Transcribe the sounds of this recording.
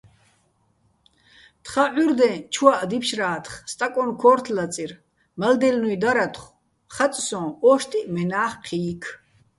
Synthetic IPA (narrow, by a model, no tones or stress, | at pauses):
t̪ʰχaʕyɾd̪ɛ̃t͡ʃʰwaʔd̪ipʰʃraːt̪ʰχst̪ʼakʼɔnkʰɔːrt̪ʰlat͡sʼir | mald̪ɛlnujd̪aɾat̪ʰχ | χat͡s̪ʼsɔ̃ːɔːʃt̪ʼimɛnaːχqʰiːkʰ